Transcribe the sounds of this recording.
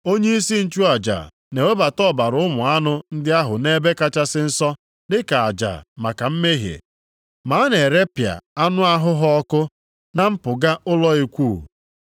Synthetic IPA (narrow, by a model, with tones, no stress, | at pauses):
o˦ɲe˦i˦si˦n̩˦t͡ʃu˦a˨d͡ʒa̰˨ | ne˨we˦ba˨tɔ˦˨ba˨ɾʊ˦ʊ˦mʊ˨a˦nʊ˦n̩˦dɪ˦a˦ɦʊ˨ne˦be˦ka˦t͡ʃa˦sɪ˦n̩˦sɔ˦ | dɪ˦ka˨a˨d͡ʒa̰˨ma˨ka˨m̩˦me˦ɦjḛ˨ | ma˨˦ne˨ɾe˦pja̰˨a˦nʊ˦a˦ɦʊ˦ɦɔ˦ɔ˦kʊ˦ | na˦m̩˦pʊ˨ɡa˦ʔʊ˦lɔ˦i˦kʷu˦˨